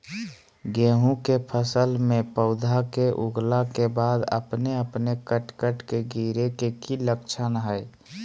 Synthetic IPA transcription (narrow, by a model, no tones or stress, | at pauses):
ɡeːɦũkepʰəsəlmẽpəʊd̪ʱakeʔuɡlakebaːd̪ə̰pneəpnekəʈkəʈkeɡiɾekekiləkt͡ʃʰənɦəj